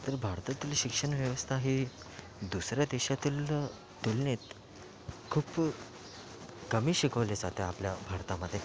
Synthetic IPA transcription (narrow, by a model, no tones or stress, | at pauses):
t̪əɾbʱaɾt̪at̪iːlɕikʂəɳʋjəʋəst̪ʰaɦi | d̪usɾjad̪eɕat̪iːl | t̪ulnet̪ | kʰuːp | kəmiːɕikəʋled͡zat̪eapljabʱaɾt̪aməd̪ʱːje